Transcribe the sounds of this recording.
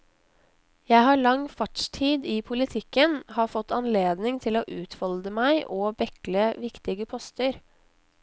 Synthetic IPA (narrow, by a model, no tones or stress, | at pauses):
jæɪhɑːɭɑŋfɑʈʃtʰiːd̪iːpʰʊlɪt̪ʰɪkːənhɑːfɔt̪ːɑnleːd̪nɪŋt̪ʰɪloːʔʉːt̪ʰʋɔld̪əmæɪʔoːbɛkləʋɪkt̪ɪɡəpʰɔst̪əɾ